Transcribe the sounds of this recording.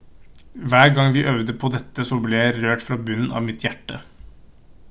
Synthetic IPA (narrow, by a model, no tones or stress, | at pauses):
ʋæːɾɡɑŋʋiːʔœʋd̪əpʰɔd̪ɛt̪ːəsɔblɛjæɪɾøːʈfɾɑːbʉnn̩ɑ̰ːʋmɪt̪ʰjæʈːə